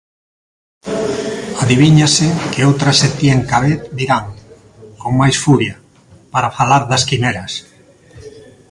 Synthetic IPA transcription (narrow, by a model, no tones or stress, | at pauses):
aðiβiɲasɪkeowt̪ɾaset̪jeŋkaβet̪d̪iɾaŋ | koŋmajsfuɾja | paɾafalaɾðaskimeɾas